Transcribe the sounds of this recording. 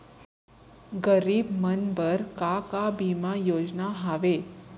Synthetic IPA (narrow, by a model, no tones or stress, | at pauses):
ɡəɾiːbmənbəɾkakabimajod͡znaɦaʋe